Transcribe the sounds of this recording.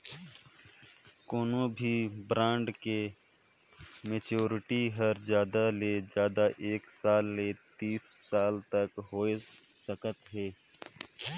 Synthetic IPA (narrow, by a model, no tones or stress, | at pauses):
koːnõbʱibɾãːɳɖke | meːt͡ʃoːɾɪʈiɦəɾzjaːd̪aleːd͡ʒjaːd̪aʔeːksaːlːet̪iːsːaːlt̪əkɦoːe | səkət̪ɦeː